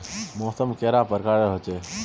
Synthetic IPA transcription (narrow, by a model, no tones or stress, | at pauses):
moːsəmkeːɾapəɾkaːɽeɦot͡ʃe